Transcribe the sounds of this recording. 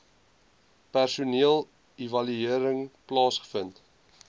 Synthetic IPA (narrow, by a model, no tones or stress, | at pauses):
pærsuniəlˠ | ivɐlyiəɾəŋplɑːsχə̥fənt